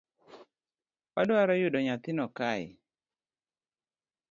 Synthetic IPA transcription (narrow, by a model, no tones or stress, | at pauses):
padɔaɾɔjʊdɔɲat̪ɪnɔkajɪ